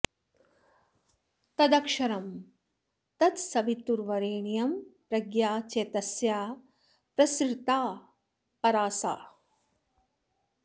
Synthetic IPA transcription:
t̪ɐd̪ɐkʂɐɾɐm | t̪ɐt̪sɐʋit̪ːuɾʋɐɾeːɳijɐmpɾɐɡjaːt͡ʃeːt̪ɐsjaː | pɾɐsɾt̪aː | pɐɾaːsa̰ː

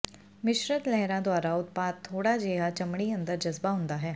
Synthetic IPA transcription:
mɪʃɾət̪lɛɦɾãd̪waːɾaʊt̪paːd̪̚t̪ʰːoːɽad͡ʒeːɦat͡ʃɐmɽ̃iə̃nd̪əɾd͡ʒɐzbaɦʊ̃nd̪aɦɛː

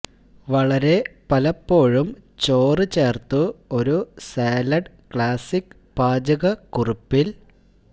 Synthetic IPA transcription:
ʋɐɭɐɾe̞pɐlɐpːo̞ːɻumt͡ɕo̞ːrɨt͡ɕe̞ːrt̪uo̞ɾuseːlɐɖ | kɭaːsikː | paːd͡ʑɐɣɐkuripːil

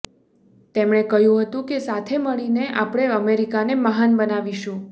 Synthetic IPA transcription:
t̪emɳ̃ekəɦjũɦət̪ũkesat̪ʰeməɭineʔapɽ̃eəmeɾikanemaɦanbənaʋiʃũ

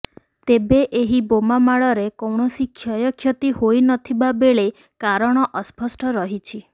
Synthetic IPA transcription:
t̪ebeʔeɦibomamaɭɔɾekɔwɳɔsikʰjɔjɔkʰjɔt̪ihojnɔt̪ʰibabeɭe | kaɾɔɽ̃ɔʔɔspɔsʈʰɔɾɔɦit͡ʃʰi

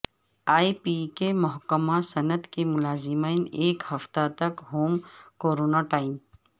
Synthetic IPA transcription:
aːipiːkemʊɦkəmasɐnət̪kemʊlaːzɪmiːneːkhɐft̪at̪ɐkɦoːmkoːɾoːnaʈaːɪm

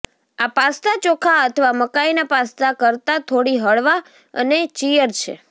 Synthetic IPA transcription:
apast̪at͡ʃokʰaət̪ʰəʋaməkainapast̪akəɾt̪at̪ʰoɽiɦəɭʋa | ə̰net͡ʃijəɾt͡ʃʰḛ

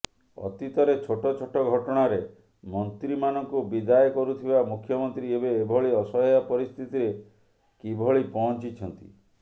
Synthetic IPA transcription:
ɔ̰t̪it̪ɔɾet͡ʃʰoʈɔt͡ʃʰoʈɔɡʱɔʈɔɽ̃aɾe | mɔnt̪ɾimanɔŋkubid̪ajɔkɔɾut̪ʰibamukʰjɔmɔnt̪ɾiebeːbʱɔɭiɔsɔɦɔjapɔɾist̪ʰit̪iɾe | kibʱɔɭipɔɦɔnt͡ʃit͡ʃʰɔnt̪ḭ

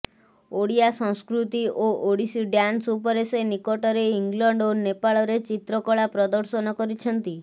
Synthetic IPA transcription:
oɽijasɔ̃ŋskɾut̪iʔoʔoɽisiɖjansupɔɾesenikɔʈɔɾeiŋɡlɔɳɖonepaɭɔɾet͡ʃit̪ɾɔkɔɭapɾɔd̪ɔɾsɔnɔkɔɾit͡ʃʰɔnt̪i

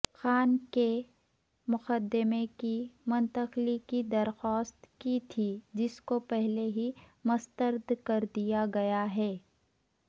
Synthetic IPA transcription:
xaːnke | mʊqəd̪ːɪmekimʊ̃nt̪əqlikid̪ɐɾxɔːst̪kit̪ʰid͡ʒɪskopɛɦleɦimʊst̪əɾd̪kɐɾd̪ijaɡɐjaɦɛː

